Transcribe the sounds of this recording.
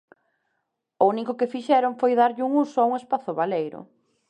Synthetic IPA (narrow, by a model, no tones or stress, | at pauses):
ʊunikʊkɪfiʃɛɾʊŋfojðaɾʎɪuŋusʊauŋespaθʊβalejɾʊ̰